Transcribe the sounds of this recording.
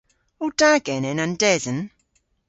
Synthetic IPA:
ɔd̥aɡɛnɛnandɛðn

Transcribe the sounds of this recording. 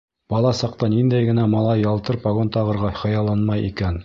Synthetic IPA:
b̥ɑlˠɑsɑq̚t̪ɑnind̪æjɡɘ̆næmɑlˠɑjːɑlˠt̪ɤɾpɑɣont̪ɑʁɤ̆ɾʁɑχɤ̆jɑlˠːɑnmɑjḭkæn

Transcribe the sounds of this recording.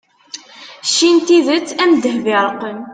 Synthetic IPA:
ʃːint̪iðət͡sːæmd̪əhvɪɾˤəqːən

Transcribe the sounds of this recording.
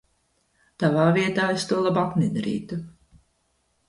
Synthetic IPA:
t̪avaːviɛt̪aːest̪uɔlˠabak̪ned̪aɾḭːt̪u

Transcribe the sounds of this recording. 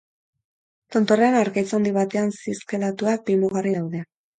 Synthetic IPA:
t̪o̞nt̪o̞renaɾkajt͡sand̪iβ̞at̪e̞ansiskelat̪uak̚bimuɣariðawðe̞

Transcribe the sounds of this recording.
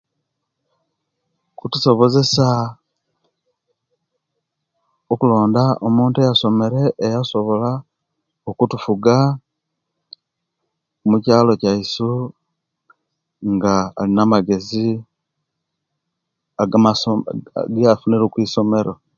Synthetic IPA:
kutu̥so̞βo̞ze̞sa | okulo̞ːndaomuːntuejaso̞me̞ɾe̞ʔːjaso̞βo̞la | okutufuɡa | mucaːlo̞caisu | ŋɡa̰ːlinamaɡe̞zi | aɡama̰ɡejafuneɾokwiːso̞me̞ɾo̞

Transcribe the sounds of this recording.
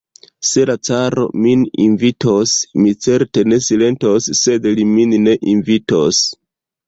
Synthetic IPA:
se̞lat͡saɾo̞̰minḭnvitosmit͡se̞ɾte̞ne̞sile̞ntosːe̞dliminːe̞ʔinvitos

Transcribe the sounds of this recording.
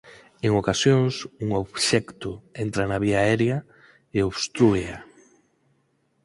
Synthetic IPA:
eŋokasjoŋsuŋoβʃɛkt̪ʊent̪ɾanaβiaɛɾja | eoβst̪ɾuea

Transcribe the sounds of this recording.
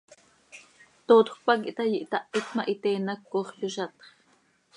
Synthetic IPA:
t̪oːt̪χʷpɑk̬iʔt̪ɑjiʔt̪ɑʔit̪mɑʔit̪eːnɑkːoːχjuʃɑt̪χ

